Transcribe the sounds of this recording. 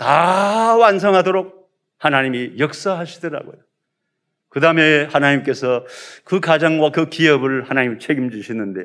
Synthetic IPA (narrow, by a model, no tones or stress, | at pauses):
tawans̬ʰʌŋɦadoɾok̚ | hanaɲimijʌk̚s͈aɦaɕʰidʌɾa̰ɡo̰jo | kɯdame̞hanaɲimk͈e̞sʰʌkɯkad͡ʑaŋɡwakɯkiʌbɯɭhanaɲimt͡ɕʰeɡimd͡ʑuɕʰinɯnde̞̰